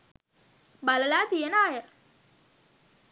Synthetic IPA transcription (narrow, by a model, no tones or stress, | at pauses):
baləlaːt̪ijənaːjə